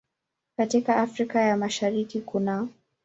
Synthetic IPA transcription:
katikaʔafɾikajamaʃaɾikikuna

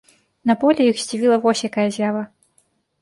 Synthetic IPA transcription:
nɐpɔlʲɛjixzʲd͡zʲivʲilˠɐvɔsʲjakajɐzʲjavɐ

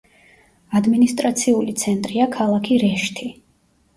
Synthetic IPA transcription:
ad̪minist̪ʼɾat̪sʰiulit̪sʰɛnt̪ʼɾiakʰalˠakʰiɾɛʃt̪ʰi

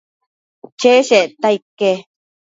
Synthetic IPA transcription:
t͡ʃeʃeʔt̪aikːe

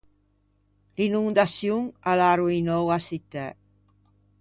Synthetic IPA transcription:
linund̪asjuŋalaɾuinowasit̪ɛ

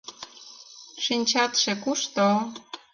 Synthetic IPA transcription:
ʃinʲt͡ɕɑt̪ʃĕkuʃt̪o

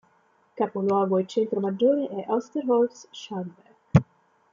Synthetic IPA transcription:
kaponwɔːɡoet͡ʃent̪ɾomad͡ʒːoːɾeʔɛʔawst̪eɾhɔlfsʃanbɛɾɡ

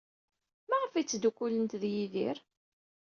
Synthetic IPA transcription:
mæʁəfit͡sːd̪ukːulənt̪ðjiðḭɾ

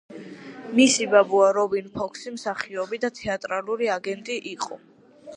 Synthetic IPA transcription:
misibabuaɾɔbinpʰɔkʰsimsaχiɔbid̪at̪ʰɛat̪ʼɾaluɾiaɡɛnt̪ʼiʔiqʼɔ

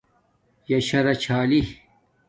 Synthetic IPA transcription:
jɐɕɐɾɐt͡ɕʰaːli

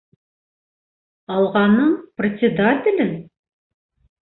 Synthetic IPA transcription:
ɑlˠʁɑnːɤɴprʲɪsʲɪd̪at̪ʲɪlʲɘn

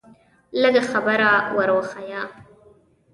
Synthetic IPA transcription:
ləɡaxabaɾawəɾwəxaja

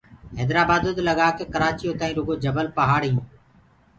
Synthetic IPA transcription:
ɦɛːd̪ɾaːbaːd̪od̪ləɡaːkeːkəɾaːt͡ʃijõːt̪aːĩːɾʊɡoːd͡ʒəbəlpəɦaːɽijũː

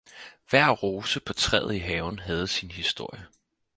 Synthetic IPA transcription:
ʋæɐ̰ʁoːsəpʰɒ̽t͡sʰʁɛ̰ð̩ˠiɦɛːʊn̩ɦɛð̞̩ˠsinhisd̥o̝ɐ̰jə

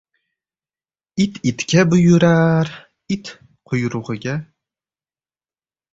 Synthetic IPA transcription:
it̪ʰit̪kʲʰabʊjʊɾaɾ | it̪ | qʰʊjɾʊʁɨɡʲa

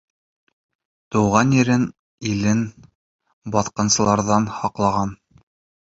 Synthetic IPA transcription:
t̪ŏwʁɑnjɘ̆ɾɘn | ilɘn | bɑθqɤ̆nsɤ̆lˠɑɾðɑnhɑqlˠɑʁɑn

